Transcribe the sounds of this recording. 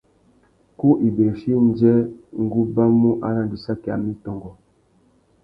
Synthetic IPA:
ku˦ʔi˨be˨ʃi˦n˦d͡ʒɛ˦ŋ˦ɡu˦ba˦mu˦ʔa̰˦na˨ndi˨sa˦kɛ˨a˨mi˦tɔ˨ŋɡɔ˨

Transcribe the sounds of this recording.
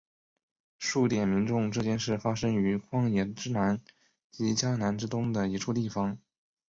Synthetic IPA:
ʂu˥˩t̪jɛ˨˩nmi˧˥nʈ͡ʂʊ˥˧ŋʈ͡ʂɤ˥˧t͡ɕjɛ˥˧nʂɻ̩˥˩fa˥ʂɤ˥ŋy˧˥kʰwɑ˥ŋjɛ˧˥˩ʈ͡ʂɻ̩˥na˧˥n | t͡ɕi˧˥t͡ɕja˥na˧˥nʈ͡ʂɻ̩˥t̪ʊ˥ŋd̪ə˨i˧˥ʈ͡ʂʰu˥˧t̪i˥˩fɑ˩ŋ

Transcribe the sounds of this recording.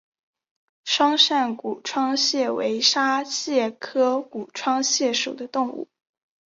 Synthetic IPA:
ʂwɑ˥ŋʂa˥˩nku˨˩ʈ͡ʂʰwɑ˥ŋɕjɛ˥˩we˧˥ɪʂa˥ɕjɛ˥˩kʰɤ˥ku˨˩ʈ͡ʂʰwɑ˥ŋɕjɛ˥˩ʂu˨˩d̪ə˦t̪ʊ˥˧ŋṵ˥˩

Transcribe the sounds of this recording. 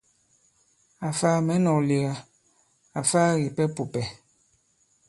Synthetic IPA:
a˨faː˦mɛ˨˦nɔ˨li˨ɣa˨ | a˨faː˦ɣi˨pɛ˦pu˨pɛ˨

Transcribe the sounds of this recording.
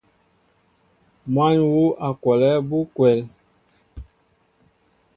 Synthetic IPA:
ma˦ɲwu˦ʔa˨kwɔ˨lɛ˦bu˦kwɛ˨l

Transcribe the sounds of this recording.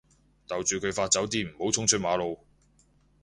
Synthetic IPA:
t̪ɐ˨wt͡ʃyː˨kʰɵ˨˧ɥfaː˧t̚t͡sɐ˨˥wt̪̬iː˥m̩˨˩ho˨˥wt͡sʰʊ˥ŋt͡ʃʰɵ˥t̚maː˨˧lo˨˧w

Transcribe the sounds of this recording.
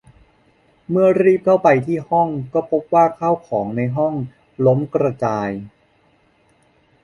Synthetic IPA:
mɯ˥˩ɐɾiː˥˩p̚t̪ʰa˥˩wpa˧jt̪ʰiː˥˩hɔ˥˩ŋkɔː˥˩pʰo˦˥p̚waː˥˩kʰaː˥˩wkʰɔː˩˦ŋna˧jɦɔ˥˩ŋ | lo˦˥mkɾa˧t͡ɕaː˧j

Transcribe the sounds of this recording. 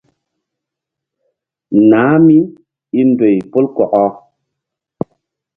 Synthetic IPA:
na˨˦mi˦ | i˦n˦dwe˨jpo˦lkɔ˨ʔɔ˦

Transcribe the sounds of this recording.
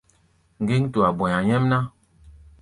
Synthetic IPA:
ŋ̩˨ɡi˦ŋ˦tu˨a˨bɔ˨ɲa˨ɲɛ˦mna˦

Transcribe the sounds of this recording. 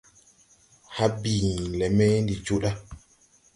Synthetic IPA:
ha˦bi˨lɛ˨mɛ˦ndi˨d͡ʒo˦ɗa˦

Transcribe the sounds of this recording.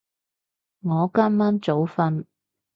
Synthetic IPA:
ŋɔː˨˧kaː˥mːaː˥mt͡so˨˥wfɐ˧n

